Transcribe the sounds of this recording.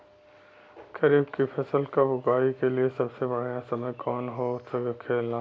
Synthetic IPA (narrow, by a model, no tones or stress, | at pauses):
kɐɾiːbkipʰɛːsəlkabʊkaːikeliesɐbsebɐɽjãsɐməjkɔːnɦosʰɐkkʰeːlã